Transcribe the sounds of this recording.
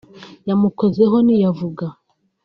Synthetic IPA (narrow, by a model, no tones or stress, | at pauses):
jamukozeɦo̞nijavuɡa